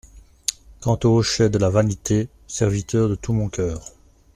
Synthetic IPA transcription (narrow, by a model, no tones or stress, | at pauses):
kɑ̃t̪oʃɛd̪əlavanit̪ʰe | sɛʁvit̪œːʁd̪ət̪ʰumɔ̃kʲœːʁ